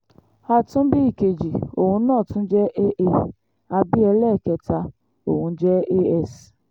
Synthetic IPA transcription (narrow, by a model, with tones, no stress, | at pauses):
a˧tũ˦bi˦i˦˨ke˨d͡ʒi˨o˨hũ˧˦nãː˦˨tũ˦d͡ʒɛ˦ʔe˦ʔe˦ | a˧bi˦ɛ˧lɛ˦˨kɛ˧ta˧ | o˨wũ˧˦d͡ʒɛ˦e˦ɛ˦˨s